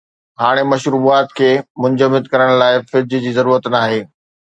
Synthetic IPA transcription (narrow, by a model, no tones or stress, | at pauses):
ɦaːɽ̃emɐʃɾuːaːt̪kʰeːmʊ̃ɲd͡ʑəmɪd̪kɐɾəɽ̃laːɪfɪɾd͡ʑʱd͡ʑiːzɐɾuːɾət̪naːɦeː